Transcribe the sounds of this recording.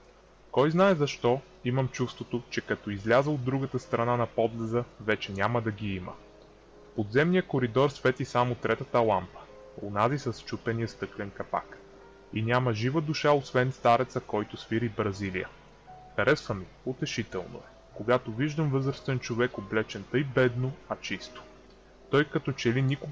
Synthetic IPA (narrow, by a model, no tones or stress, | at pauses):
kɔjznaɛzɐʃt̪ɔ | iməmt͡ʃufst̪vot̪ot͡ʃɛkɐt̪ɔizlʲazəod̪ːɾuɡət̪əst̪ɾɐnanɐpɔd̪lɛzəvɛt͡ʃɛnʲaməd̪ɐɡiimə̰ | pod̪zɛmnijəkoɾid̪ɔɾsvɛt̪isamot̪ɾɛt̪ɐt̪əlˠampə̥ | o̰nazisɐst͡ʃupɛnijəst̪ɤklɛnkɐpa̰k | inʲamɐʒivəd̪uʃaosvɛnst̪aɾɛt̪səkɔjt̪osviɾibɾɐzilḭjə̰ | xɐɾɛsvəmi | ot̪ɛʃit̪ɛlˠno̰ɛ | koɡat̪oviʒd̪əmvɤzɾəst̪vɛnt͡ʃovɛkoblɛt͡ʃɛnt̪ɤjbɛd̪noɐt͡ʃist̪o̥ | t̪ɔjkɐt̪ɔt͡ʃɛlinikʊ